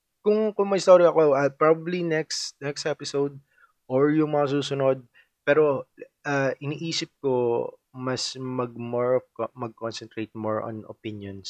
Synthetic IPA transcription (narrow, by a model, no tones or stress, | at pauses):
kʊŋkʊŋmɐjst̪oɾiɐkoʔɐpɹabɐblinɛksnɛkst̪ɛpɪsowd̪̚ | ʔoɹjʊŋmɐŋɐs̬uːsʊnod̪̚ | pɛːɾo̞ʔaʔɪniːʔiːsɪp̚ko | mɐsmɐɡ̚moɹɔvkmɐɡ̚konsɛnt̪ɹejt̪̚moɹɔ̰no̰pɪnjons